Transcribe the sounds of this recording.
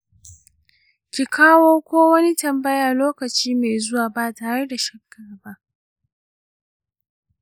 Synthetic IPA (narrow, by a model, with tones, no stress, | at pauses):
kʲi˨kʰaː˦woː˦kʷoː˦wɐ˦ni˦tɐ˨mbɐ˦jaː˨loː˦kɐ˨t͡ʃiː˦meː˨zʊ˦waː˨ba˦˨taː˨ha˦ɽe˦da˨ʃɐ˦kːɐ˦ɽba˦ʔ